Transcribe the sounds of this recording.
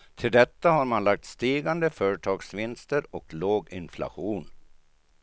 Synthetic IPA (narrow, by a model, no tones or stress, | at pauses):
t̪ʰɪld̪ɛt̪ːahaɾmanlak̚t̪st̪iːɡand̪əfœːɾəʈʰɑːɡsvɪnst̪əɾɔkloːɡɪnflʔa̰ɧuːn